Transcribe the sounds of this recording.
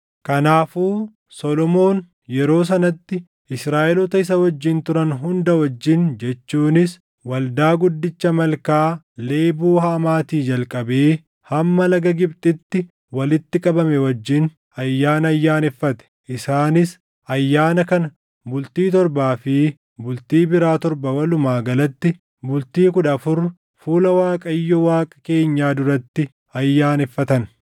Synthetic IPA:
kɐnaːfuː | sɔlɔmo̞ːn | jɛɾo̞ːs̬ɐnɐt̪ːɪ | ɪsɾaːʔɛlɔt̪ɐɪs̬ɐwɐd͡ʒːɪnt̪ʊɾɐnɦʊnd̪ɐwɐd͡ʒːɪnd͡ʒɛt͡ʃːuːnɪs | wɐld̪aːɡʊd̪ːɪt͡ʃːɐmɐlkaː | le̞ːbuːhaːmaːt̪iːd͡ʒɐlkʼɐbeː | hɐmːɐlɐɡɐɡɪbt̪ʼɪt̪ːɪ | wɐlɪt̪ːɪkʼɐbɐmɛwɐd͡ʒːɪn | ɐjːaːnɐɐjːaːnɪfːɐt̪ɛ̥ʔɪsaːnɪs | ɐjːaːnɐkɐnɐ | bʊlt̪iːt̪ɔɾbaːfɪ | bʊlt̪iːbɪɾaːt̪ɔɾbɐwɐlʊmaːɡɐlɐt̪ːɪ | bʊlt̪iːkʊᶑɐfʊɾ | fuːlɐwaːkʼɐjːɔwaːkʼɐ̥ke̞ːɲːaːd̪ʊɾɐt̪ːɪ | ɐjːaːnɪfːɐt̪ɐn

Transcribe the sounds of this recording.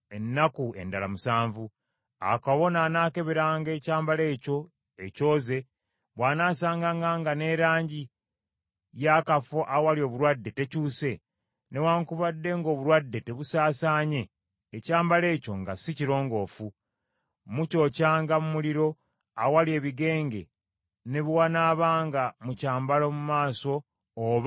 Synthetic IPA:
enːakue̞̰ndalamusaːɱvu | a̰kaβo̞naːnaːke̞βeɾaːŋɡe̞ːcaːmbale̞ːco̞ | eco̞ːze̞ | βwaːnaːsaːŋɡaŋɡaŋɡane̞ɾaːɲɟi | jaːkafo̞ʔawalio̞ːβuɾwadːe̞te̞cuːse̞ | ne̞waːŋkuβadːe̞ŋɡo̞ːβuɾwadːe̞te̞βusaːsaːɲe̞ː | caːmbale̞ːco̞ŋɡasiciɾo̞ːŋɡo̞ːfu | muco̞ːcaːŋɡamumuliɾo̞ | awalie̞ːβiɡe̞ːŋɡe̞̰ | ne̞βwaːnaːβaːŋɡamucaːmbalomumaːso̞ː | β

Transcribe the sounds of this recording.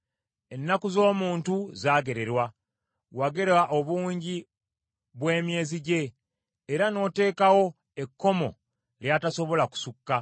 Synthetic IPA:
e̞nːakuzo̞ːmuːntuzaːɡe̞ɾe̞ɾwa | waɡe̞ɾwaʔoβuːɲɟi | βwe̞ːmje̞ːziɟe̞ː | ɾano̞ːte̞ːkawo̞ | e̞kːo̞mo̞̰ | ljataso̞βo̞laku̥sukːa

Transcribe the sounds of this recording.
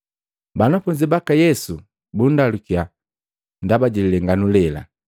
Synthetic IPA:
banafuɲd͡ʒibakajɛsu | bundalukia | ndabaɟililɛŋɡanulɛla̰

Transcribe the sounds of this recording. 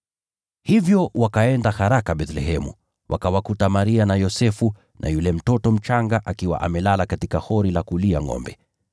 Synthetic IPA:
hivjɔwakaɛndahaɾakaɓɛθlɛhɛmṵ | wʔa̰kawakutamaɾianajɔsɛfu | nʔa̰julɛm̩tɔtɔm̩t͡ʃaŋɡaʔakiwa̰ʔamɛlalakatikahɔɾilakulia̰ŋɔ̰mbɛ

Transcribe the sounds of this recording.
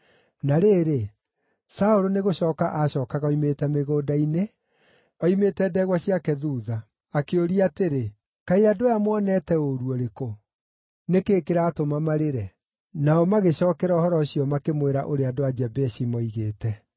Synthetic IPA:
naɾeːɾe | saoɾoneɣoɕɔːkaʔaɕɔːkaɣaɔimetɛmeɣoːdaine | ɔimetɛːdɛɣwaɕiakɛðuːðaː | keoɾiateɾe | kaiadojamwɔnɛtɛoɾuɔɾeko | nekeːkeɾaːtomamaɾeɾɛ | naɔmaɣeɕɔːkɛɾaɔhɔɾɔɕiɔmakemweɾa̰ʔoɾeadoad͡ʒɛbɛɕimɔiɣeːtɛ

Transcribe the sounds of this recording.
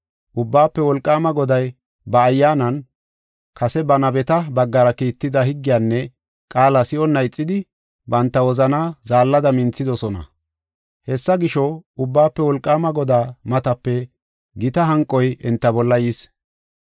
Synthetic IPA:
ʔʊbːaːpːɛwɔlkʼːaːmɐɡɔd̪ɐj | bɐːjːaːnɐn | kʰɐsɛbɐnɐbɛt̪ɐbɐɡːɐɾɐkiːt̪ːɪd̪ɐɦɪɡːɪjaːnːɛ | kʼaːlɐsɪɔnːɐjt͡sʼːɪd̪ɪ | bɐnt̪ːɐwɔzɐnaːzaːlːɐd̪ɐmɪnt͡sːɪd̪ɔsɔnɐ̰ | hɛsːɐɡɪʃɔʊbːaːpːɛwɔlkʼːaːmɐɡɔd̪aːmɐt̪ɐpːɛ | ɡɪt̪ɐɦɐŋkʼːɔjɛnt̪ːɐbɔlːɐjiːs

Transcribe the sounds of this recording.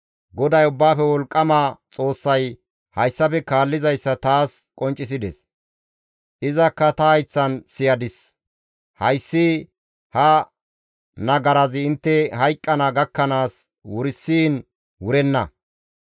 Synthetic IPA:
ɡɔd̪ɐjʊbːaːfɛwɔlkʼːɐmat͡sʼo̞ːsːɐj | hɐjsːɐpɛkaːlːɪzɐjsːɐt̪aːskʼɔnt͡ʃʼːɪs̬ɪd̪ɛs | ʔɪzɐkːɐt̪ɐhɐjt͡sːɐnsɪjɐd̪ɪs | hɐjsːi | hɐ | nɐɡɐɾɐzɪɪnt̪ːɛhɐjkʼːɐnɐɡɐkːɐnaːs | wʊɾɪsːiːn | wʊɾɛnːɐ̰

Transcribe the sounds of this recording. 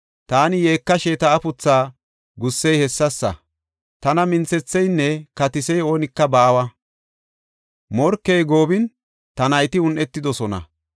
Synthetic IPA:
t̪aːnɪjeːkːɐʃeːt̪ɐːpʊt͡sːaː | ɡʊsːɛjhɛsːɐsːɐ̰ | t̪ɐnɐmɪnt͡sɛt͡sːɛjnːɛkɐt̪ɪsɛjo̞ːnɪkːɐbaːwɐ | mɔɾkːɛjɡo̞ːbɪn | t̪ɐnɐjt̪ɪʊnʔɛt̪ːɪd̪ɔsɔnɐ̰

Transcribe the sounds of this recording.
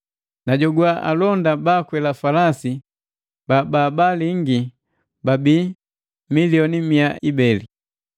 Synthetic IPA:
naɟɔɡuwaʔa̰lɔndabakwɛlafalasi | bababaliŋɡi | babiː | miliɔnimiaibɛli

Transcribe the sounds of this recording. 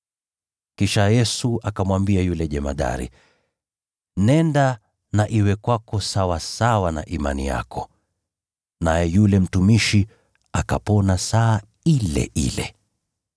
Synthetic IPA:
kiʃajɛsuakamwambiajulɛʄɛma̰ɗa̰ɾḭ | nɛnda | naʔiwɛkwakɔsawasawana̰ʔima̰nḭja̰kʰɔ | najɛjulɛm̩tumiʃi | akapɔnasaː | ilɛ̰ʔḭlɛ̰

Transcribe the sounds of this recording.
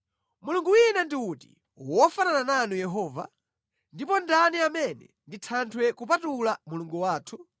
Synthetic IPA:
muluŋɡuwinandiutḭ | wɔfananananujɛɦɔːva̰ | ndipɔndaniamɛnɛ̰ | nditʰantʰwɛkupatulamuluŋɡuwaːtʰu

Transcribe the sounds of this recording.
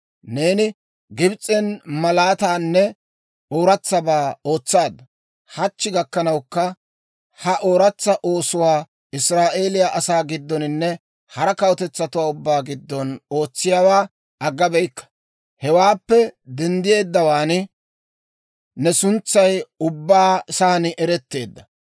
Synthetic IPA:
ne̞ːnɪ | ɡɪbt͡sʼːɛnmɐlaːt̪aːnːɛ | oːɾɐt͡sːɐbaːo̞ːt͡sːaːd̪ɐ | hɐt͡ʃːɪɡɐkːɐnɐwkːɐ | hɐʔoːɾɐt͡sːɐʔo̞ːsʊwaː | ɪsɾaːʔe̞ːlɪjaʔɐsaːɡɪd̪ːɔnɪnːɛ | hɐɾɐkɐwɔt̪ɛt͡sːɐt̪ʊwaːʊbːaːɡɪd̪ːɔno̞ːt͡sːɪjaːwaː | ɐɡːɐbɛjkːɐ̥ | hɛwaːpːɛd̪ɛnd̪ɪje̞ːd̪ːɐwaːnɪ | nɛsʊnt͡sːɐjʊbːaːsaːnɪʔɛɾɛt̪ːe̞ːd̪ːɐ

